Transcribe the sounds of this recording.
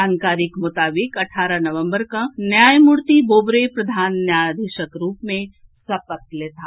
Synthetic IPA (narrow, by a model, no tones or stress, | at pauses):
aːnkaːɾɪkmʊt̪aːbɪkɐʈʰaːɾanɐʋə̃mbəɾkanjaːjmuɾt̪iboːbɾepɾɐd̪ʱaːnːjaːjd̪eʃəkɾuːpmẽ | sɐpət̪leːt̪aː